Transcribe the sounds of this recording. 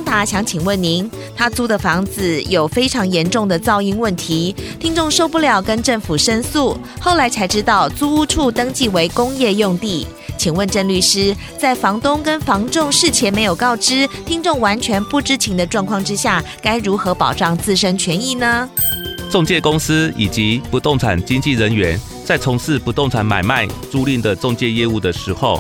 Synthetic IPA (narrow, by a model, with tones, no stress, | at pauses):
ŋt̪a˧˥ɕjɑ˧˥ŋt͡ɕʰi˨˩ŋwə˥˩nni˧˥n | t̪ʰa˥t͡su˥d̪ə˨fɑ˧˥ŋd͡zɹ̩˧˨jo˨˩ʊfe˥ɪʈ͡ʂʰɑ˧˥ŋjɛ˧˥nʈ͡ʂʊ˥˩ŋd̪ə˩t͡sɑ˥˧ʊi˥˧nwə˥˩nt̪ʰi˧˥t̪ʰi˥ŋʈ͡ʂʊ˥˧ŋʂo˥˧ʊpu˥˩ljɑ˨˩ʊkə˦˥nʈ͡ʂə˥˩ŋfu˨˩ʂə˥nsu˥˩ | xo˥˩ʊla˧˥ɪt͡sʰa˧˥ɪʈ͡ʂɻ̩˥t̪ɑ˥˩ʊt͡su˥u˥ʈ͡ʂʰu˥˩t̪ɤ˥ŋt͡ɕi˥˩we˧˥ɪkʊ˥ŋjɛ˥˧jʊ˥˧ŋt̪i˥˩ | t͡ɕʰi˨˩ŋwə˥˧nʈ͡ʂə˥˧nly˥˩ʂɻ̩˥ | t͡sa˥˩ɪfɑ˧˥ŋt̪ʊ˥ŋkə˥nfɑ˧˥ŋʈ͡ʂʊ˥˧ŋʂɻ̩˥˩t͡ɕʰjɛ˧˥me˧˥ɪjo˨˩ʊkɑ˥˩ʊʈ͡ʂɻ̩˥t̪ʰi˥ŋʈ͡ʂʊ˥˩ŋwa˧˥nt͡ɕʰɥɛ˧˥npu˥˩ʈ͡ʂɻ̩˥t͡ɕʰi˧˥ŋd̪ə˧ʈ͡ʂwɑ˥˧ŋkʰwɑ˥˩ŋʈ͡ʂɻ̩˥ɕja˥˩ | ka˥ɪɻu˧˥xɤ˧˥pɑ˨˩ʊʈ͡ʂɑ˥˧ŋt͡sɹ̩˥˩ʂə˥nt͡ɕʰɥɛ˧˥ni˥˩nə˩t͡sʊ˥˧ŋt͡ɕjɛ˥˨kʊ˥ŋs̩˥˦i˨˩t͡ɕi˧˦pu˧˦t̪o˥˩ŋt͡sʰa˨˩nt͡ɕi˥ŋt͡ɕi˥˩ɻə˧˦nɥɛ˧˦n | t͡sa˥˩ɪt͡sʰʊ˧˥ŋsɹ̩˥˩pu˧˥t̪o˥˨ŋt͡sʰa˧˥nma̰˨˩ɪma˥˧ɪt͡su˥˧li˥˩ŋd̪ə˨˩t͡so˥˧ŋt͡ɕjɛ˥˧jɛ˥˧u˥˩d̪ə˩ʂɻ̩˧˥xo˥˨ʊ